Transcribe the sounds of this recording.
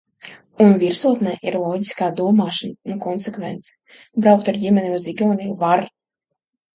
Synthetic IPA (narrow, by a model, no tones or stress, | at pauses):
unvʲiɾsuɔt̪nɛʔiɾlˠɔːɟiskaːd̪uɔmaːʃanunkɔnsɛkvɛnt̪sɛ̥ | bɾawk̚t̪aɾdʲimʲɛniuziɡʲɔːnivaɾ